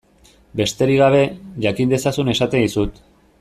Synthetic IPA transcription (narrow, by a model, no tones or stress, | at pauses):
be̞st̪e̞ɾiɣ̞aβ̞e̞ʝakind̪e̞sasune̞sat̪ed̪isut̪